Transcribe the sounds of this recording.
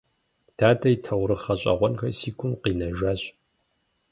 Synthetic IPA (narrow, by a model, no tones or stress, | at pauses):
tʰaːtʼɐitʰɐwɾɨχɐɕʼɐ̰ʁʷɔnxɐsiːkʷʰʊmqiːnɐʒaːɕʼ